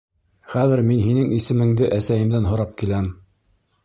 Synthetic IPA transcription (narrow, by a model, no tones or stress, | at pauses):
χæðɘ̆ɾminɦinɘŋisɘ̆mɘ̆ŋd̪ɘʔæsæjɘ̆md̪ænɦŏɾɑp̚kilæm